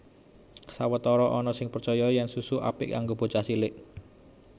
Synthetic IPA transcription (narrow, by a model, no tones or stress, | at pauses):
sawət̪ɔɾɔʔɔnɔsɪŋpərt͡ʃɔjɔjɛnsusuʔa̰pɪ̰ʔkaŋɡob̥o̤t͡ʃasilɪʔ